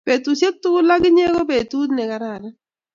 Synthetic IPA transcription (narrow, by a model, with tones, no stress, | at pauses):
pe˨t̪u˨se˦t̪ːu˦la˦ɡɪ˦ɲe˦ɡo˦pe˨tu˦d̪nɛ˨ka˨ɾa˨ɾɛ˦